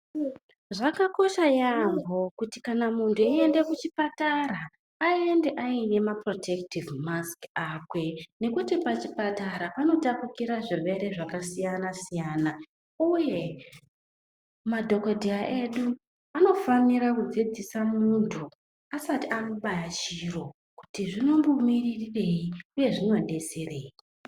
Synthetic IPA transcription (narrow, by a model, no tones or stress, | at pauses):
ʐakako̞ʃajambo̞kutikanamuntʰuie̞nde̞kut͡ʃipataɾaː | iende̞ʔaine̞mapro̞tʰe̞ktivmaskakwe̞ne̞kutipat͡ʃipataɾapano̞tapukiɾaʐiʋe̞ɾe̞ʐakasijanasijaːna | uje̞ | madʱo̞kodʱiaʔe̞ɗu | ano̞faniɾakud͡zid͡zisamuntʰu | asatiano̞ɓajat͡ʃiro̞ | ku̥tiʐino̞mbumiririre̞iuje̞ʐino̞ɗe̞sereːi